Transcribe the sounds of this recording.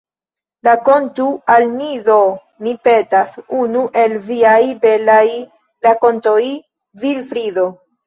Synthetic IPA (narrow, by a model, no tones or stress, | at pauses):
lako̞ntualniðo | mipe̞tasunuʔe̞lviajbe̞laj | lako̞ntoj | vilfɾido̞